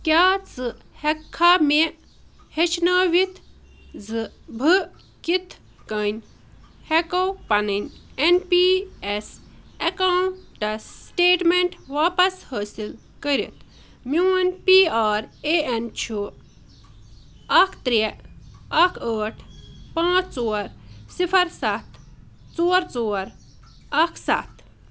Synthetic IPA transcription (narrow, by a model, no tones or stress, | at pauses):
kʲjaːt͡sɨhɛkʰːame | het͡ʃʰnɐːʋit̪ʰ | zɨbʱɨ | kit̪ʰ | kɐnʲ | hekɐwpɐnɨnʲenpiesɐkawʈɐsʈeːʈmeɳʈʋaːpɐshəːsil | kəɾḭt̪ʰ | muːɐnpiːaːɾeent͡ʃʰu | ɐkʰt̪ɾi | ɐkʰəːʈʰpãːt͡sʰt͡soːɾsipʰɐɾsat̪ | t͡soːɾt͡soːɾ | ɐkʰsa̰t̪ʰ